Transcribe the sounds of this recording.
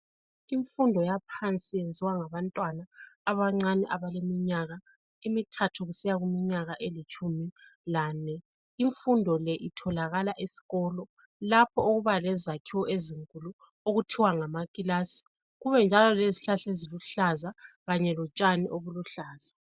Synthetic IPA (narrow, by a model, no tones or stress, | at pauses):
iɱfundʱɔjapʰant͡sʼijend͡zʱiwaŋaβantʼwanaːβaŋ͡ǀaniʔaβalemiɲaɣa | imitʰatʰuɣusijaɣumiɲaɣaʔelit͡ʃʼumilaːnɛ | iɱfundʱɔlɛʔitʰɔlaɣalaʔesi̥ɣɔːlɔ | lapʰɔoɣuβalɛzakʰiwɔʔeziŋkʼulu | oɣutʰiwaŋamakʼilasi̥ | ɣuβɛnd͡ʒʱalɔleziɬaɬeziluɬazaɣaɲɛlɔt͡ʃʼaniʔoβuluɬaːz̥a